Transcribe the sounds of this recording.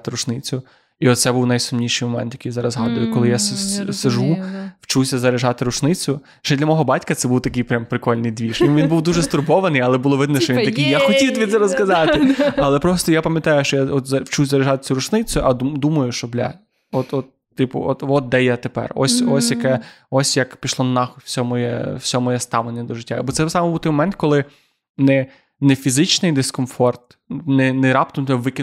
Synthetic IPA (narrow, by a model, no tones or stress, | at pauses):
t̪ɪɾʊt͡ʃnɪt͡sʲʊ | iɔt̪sɛbuwnɐjsʊmnʲiʃɪjmɔmɛ̰nt̪jɐkɪjzɑɾɐzɦɑd̪ʊjʊkɔlˠɪjasseʒuwt͡ʃuwsʲɐzɐɾeʒɑt̪ɪɾʊt͡ʃnɪt͡sʲʊ | ʃt͡ʃɛd̪lʲɐmɔɦɔbɑtʲkɐt̪sɛbuwt̪ɐkɪjpɾʲampɾɪkɔlʲnɪjd̪ʋʲiʃʲʋinbuwd̪uʒɛst̪ʊrbɔʋɐnɪjɐlˠɛbulˠɔʋɪd̪nɛʃt͡ʃɔʋint̪ɐkʲijjaxɔtʲit̪ʋʲit̪sɛɾɔskɐzɑt̪ɪɐlˠɛpɾɔst̪ɔjapɐmʲjɐt̪ɑjʊʃt͡ʃɔjaɔt̪zɐwt͡ʃuzɐɾeʒɑt̪ɪt͡sʲʊɾʊʃnɪt͡sʲjʊʔɐd̪ud̪umɐjʊʃt͡ʃɔblʲa̰ | ɔt̪ɔt̪ːɪpʊ̰ɔt̪ɔt̪̚d̪ɛjat̪epɛ̰rɔ̰sʲɔsʲjɐkɛ | ɔsʲjɐkpʲiʃlˠɔnnːɑxʊfsʲɔmɔjɛ̰wsʲɔmɔjɛst̪ɑʋlˠenʲːɐd̪ɔʒɪtʲːabɔt̪sɛsɑmbbut̪jmɔmɛnt̪̚kɔlˠɪ | nɛ | nɛfʲizɪt͡ʃnɪjd̪eskɔnfɔrt̪̚ | nɛnɛɾɑp̚t̪ɔmt̪ɛʋɪkʲɪ